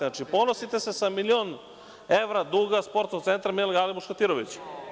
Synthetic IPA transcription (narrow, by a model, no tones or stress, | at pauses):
at͡ʃipo̞nosit̪e̞sesamilio̞n | eʋɾad̪uːɡaspo̞ɾt̪oɡt̪e̞nt̪ɾamilɡalibuʃkat̪iɾoʋit͡ɕ